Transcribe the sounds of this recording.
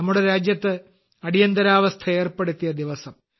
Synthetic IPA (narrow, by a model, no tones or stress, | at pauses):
ɐmːuɽeɾaːd͡ʑjɐt̪ːɨ | ɐɽijɐnd̪ɐɾaːʋɐst̪ʰɐe̞ːrpe̞ɽut̪ːijɐd̪iʋɐsɐm